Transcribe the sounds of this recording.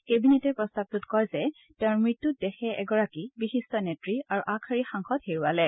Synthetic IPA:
kebinetɛpɹɔstab̚tutkɔjzɛ | tɛʊ̃ɹmɹitːut̚dɛxɛʔɛɡɔɹakibixistɔnetɹiaɹuʔakʰaɹixaŋxɔdheɹuwalɛ

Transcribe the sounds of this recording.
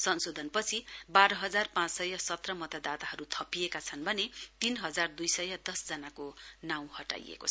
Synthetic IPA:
sʌnsod̪ʱʌnpʌt͡sʰibaɾʌɦʌd͡zarpãt͡ssʌjʌsʌt̪rʌmʌt̪ad̪at̪aɦʌɾut̪ʰʌpijekat͡sʰʌnbʱʌnet̪inɦʌd͡zard̪ujsʌjʌd̪ʌsd͡zʌnakonaw̃hʌʈa̰jḛkot͡sʰʌ

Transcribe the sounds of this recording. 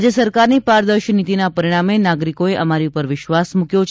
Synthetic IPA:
d͡ʒəsəɾkaɾnipaɾd̪əɾʃnit̪inapəɾiɽ̃amenaɡɾikoeʔəmaɾiupəɾʋɪʃʋasmũkjot͡ʃʰ

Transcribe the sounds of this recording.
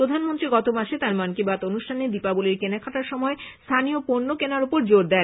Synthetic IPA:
ɾod̪ʱanmont̪ɾiɡɔt̪omaʃet̪aɾmankibat̪onuʃʈʰaned̪ipaboleɾkenakʰaʈaɾʃɔmɔest̪ʰanijopoɾnokenaɾopoɾd͡ʑoɾd̪ɛn

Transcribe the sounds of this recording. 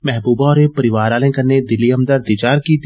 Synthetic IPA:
mɛɦbuːbaɔːɾepɐɾɪʋaːɾaːlẽkɐɾned̪ɪlːiɐmd̪ɐɾd̪ɪd͡ʒaːɾkit̪

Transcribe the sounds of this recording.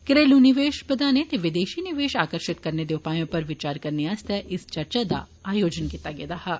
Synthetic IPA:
kɾeːlunɪʋeːʃpɐd̪aːnet̪eʋɪd̪eːʃinɪʋeːʃaːkəɾʃɪt̪kɐɾned̪eʊpaːjõpɐɾʋɪt͡ʃaːɾkɐɾneast̪ʰɛʔɪst͡ʃɐɾt͡ʃad̪a̰ | aːjoːd͡ʒənkit̪aɡed̪aɦa

